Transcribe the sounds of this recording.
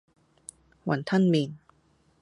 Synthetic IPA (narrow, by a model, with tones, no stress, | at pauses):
wɐ̰˨˩nt̪ʰa˥˨nmiː˨˧n